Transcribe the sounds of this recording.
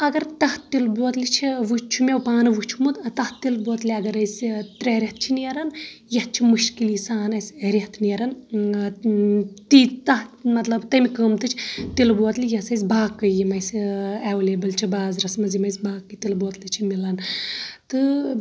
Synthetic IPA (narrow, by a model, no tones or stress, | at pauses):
ɐɡɐɾt̪ɐht̪ilboːt̪lit͡ʃʰiʋut͡ʃʰumʲewpaːnɨʋɨt͡ʃʰumut̪ɐt̪ɐht̪ilboːt̪liɐɡɐɾɐjsʲt̪ɾʲeːɾʲet̪̚t͡ʃʰiniːɐɾɐnjɐt̪̚t͡ʃʰimɨʃkiliːsaːnɐjsʲɾʲeht̪ʰniːɾɐn | t̪it̪ɐɦmɐt̪lɐbt̪ɐmikəːmt̪ɨt͡ʃʰt̪ilboːt̪lijɐsɐjs̬ʲbaːkːɐjimɐjsʲɛʋleːbɐlt͡ʃʰibaːzɾɐsmɐzimɐjsʲbaːkːɨt̪ilboːt̪lit͡ʃʰimilɐnt̪ɨ